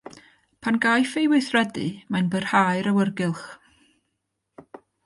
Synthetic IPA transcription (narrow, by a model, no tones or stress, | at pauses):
pʰanɡajfejwɨθrɛdɨ̰majnbərhaɨɾəwərɡɪlˠχ